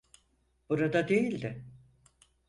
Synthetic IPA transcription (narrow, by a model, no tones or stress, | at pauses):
b̥uɾad̪ad̪ejilʲd̪ɪ